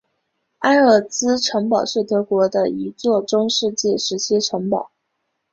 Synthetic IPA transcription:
a˥ɪə˥˨˩t͡sɹ̩˥ʈ͡ʂʰɤ˧˥ŋpɑ˨˩ʊʂɻ̩˥˩t̪ʰɤ˧˥kwɔ˧˥d̪ə˧i˧˥t͡swɔ˥˩ʈ͡ʂʊ˥ŋʂɻ̩˥˧t͡ɕi˥˩ʂɻ̩˧˥t͡ɕʰi˥ʈ͡ʂʰɤ˧˥ŋpɑ˨˩˦

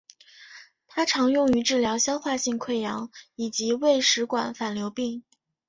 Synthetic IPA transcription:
t̪ʰa˥ʈ͡ʂʰɑ˧˥ŋjʊ˥˩ŋy˧˥ʈ͡ʂɻ̩˥˩ljɑ˧˥ʊɕjɑ˥ʊxwa˥˧ɕi˥˧ŋkʰwe˥˩ɪjɑ˧˥ŋi˨˩t͡ɕi˧˥we˥˩ɪʂɻ̩˧˥kwa̰˨˩nfa˨˩nljo˧˥ʊpi˥˩ŋ

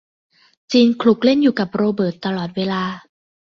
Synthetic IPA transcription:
t͡ɕiː˧nkʰlu˨˩k̚le˥˩njuː˨˩ka˨˩p̚ɾoː˧bɤː˨˩t̪ːa˧lɔː˨˩t̪̚weː˧laː˧

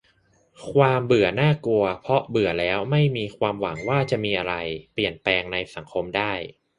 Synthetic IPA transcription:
kʰwaː˧mbɯ˨˩˦ɐnaː˥˩ku˧ɐpʰɾɔ˦˥bɯ˨˩˦ɐlɛː˦˥wma˥˩jmiː˧kʰwaː˧mwa˩˦ŋwaː˥˩t͡ɕa˨˩ʔmiː˧ʔa˧ɾa˧jpli˨˩ənplɛː˧ŋna˧jsa˩˦ŋkʰo˧mdaː˥˩j

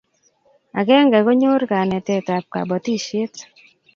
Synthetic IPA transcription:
a̰˨ɡɛ˦ŋɡa˨ɡo˦ɲo˦ɾka˨nɛ˨tɛ˦˨ta˨p̚ka̰˨bɔ˨ti˦ʃe˦t̪

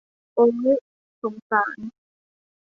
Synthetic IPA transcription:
ʔoː˧ŋu˦˥ | so˨˩˦ŋsaː˩˦n

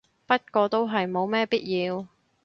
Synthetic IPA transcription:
pɐ˥t̚kɔː˧t̪o˥wɦɐ˨jmo˨˧wmɛː˥piː˥t̚jiː˧w

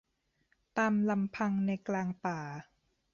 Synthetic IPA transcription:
t̪aː˧mla˧mpʰa˧ŋna˧jklaː˧ŋpaː˨˩

